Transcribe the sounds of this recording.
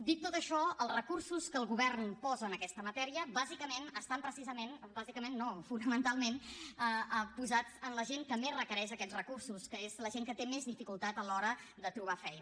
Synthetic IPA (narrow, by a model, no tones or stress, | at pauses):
d̪ik̚t̪ːot̪əʃɔəlˠzrəkursuskəːlˠɣuβɛrnpɔzəːnəkɛst̪əmət̪ɛɾiəbazikəmenəst̪ampɾəsizəmenbazikəmenːofunəmənt̪alˠmenəəpuzat͡sənləʒeŋk̪əmerəkəɾɛʃəkɛt͡srəkursuskəezləʒeŋkət̪emezðifikulˠt̪at̪əlɔɾə | d̪ət̪ɾuβafɛjn